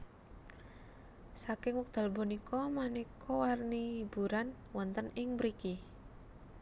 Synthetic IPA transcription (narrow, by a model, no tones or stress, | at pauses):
sakɪŋwɔk̚d̪̥a̤lbɔ̤nikʰɔmanikʰɔwarnibṳɾan | wɔnt̪ənɪŋbɾiki